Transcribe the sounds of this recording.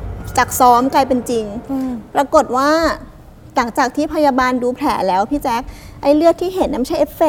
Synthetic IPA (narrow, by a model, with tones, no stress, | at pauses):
t͡ɕa˨˩k̚sɔː˦˥mklaː˧jpe˧nt͡ɕi˧ŋpɾa˧ko˨˩t̪̚waː˥˩ | la˩˦ŋt͡ɕaː˨˩k̚t̪ʰiː˥˩pʰa˧jaː˧baː˧nduː˧pʰlɛ̰ː˩˦lɛː˦˥wpʰiː˥˩t͡ɕɛː˦˥k̚ʔa˧jlɯ˥˩ək̚t̪ʰiː˥˩ɦe˩˦nː˧˦ma˥jt͡ɕʰa˥˩jʔe˦˥fe˨˩